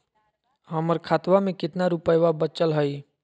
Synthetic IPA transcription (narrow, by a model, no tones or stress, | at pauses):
ɦəməɾkʰaːt̪ʋamẽkɪt̪naɾupəjʋabətt͡ʃəlɦəi